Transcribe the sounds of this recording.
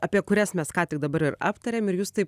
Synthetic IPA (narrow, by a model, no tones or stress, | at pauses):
ɑːpʲiɛkʊɾʲɛsmʲɛskɑːt̪ʲɪk̚d̪ɐbɐɾɪrɑ̰ːpt̪ɐɾʲeːmɪrjuːst̪ɐɪp